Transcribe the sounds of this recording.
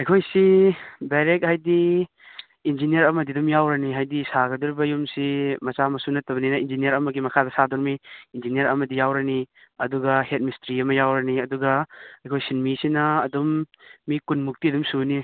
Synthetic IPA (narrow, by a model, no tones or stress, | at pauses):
ɐjkʰojsibaɾek̚hajdi | ind͡ʒinijɐɾɐmɐdidumjawɾɐniɦajdisaɡɐduɾibɐjumsimɐsamɐsunɐtɐbɐninɐind͡ʒinijɐɾɐmɐɡimɐkʰadɐsadɔɾmiːnd͡ʒinijɐɾɐmɐdijawɾɐni | ɐduɡɐhet̚mistɾiɐmɐjawɾɐniɐduɡɐɐjkʰojsinmisinɐːdumːikunmuk̚tiɐdumsuni